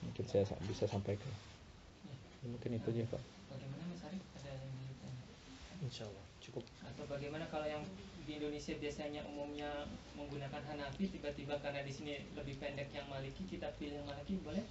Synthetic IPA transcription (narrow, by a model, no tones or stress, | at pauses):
muŋkɪnsajasa̰bisasampajkan | ja | jamuŋkɪnit̪ud͡ʒapa̰ʔ | b̥aɡajmanaməsaɾəadaandilut̪ana | inʃalːaht͡ʃukʊp̚at̪awbaɡajmanakalajaŋdiːndonesiabiasaɲaʔṵmumɲaməŋɡunakanɦanapit̪ibat̪ibakarnadisiniləbɪhpɛndɛkjaŋmalikikit̪apilɪŋmalakibolɛh